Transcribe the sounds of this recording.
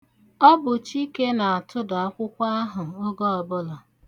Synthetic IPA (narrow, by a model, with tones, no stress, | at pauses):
ɔ˦bʊ˨t͡ʃi˦ke˦na˨a˨tʰʊ˦da˨a˦kʷʊ˦kʷa˦a˦ɦʊ˨o˦ɡɔ˦ɔ˨bʊ˦lɔ˨